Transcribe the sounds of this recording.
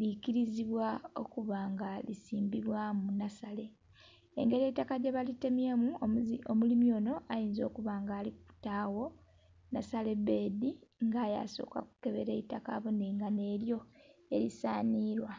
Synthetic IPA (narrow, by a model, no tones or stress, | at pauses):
likiɾiziβwao̞̰kuβaːŋɡalisiːmbiβwamunasale̞ | e̞̰ŋɡe̞ɾetːakaɟeβalitːememuomulimjo̞ːno̞ajiːnzo̞̰ːkuβaːŋɡaːliku̥taːwo̞ | nasale̞be̞ːdiŋɡaːja̰so̞̰ːka̰ku̥ke̞βe̞ɾe̞itakaβoneŋɡane̞ːljo̞ḛlisaːniːɾwa